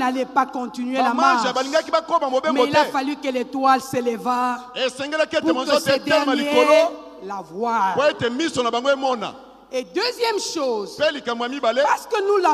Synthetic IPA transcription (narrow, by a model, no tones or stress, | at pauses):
nalɛpakɔ̃t̪inɥelamãʒabaliŋɡakibakomamobemɡoiltɛafalykəletwalselevaesɛŋɡelɛkepuemazɔtetdɛmanliekolo | lavwaʁpoetemisonabaŋɡoemɔna̰ | ed̪øzjɛmʃozpelikambojamibalepasə̥kənula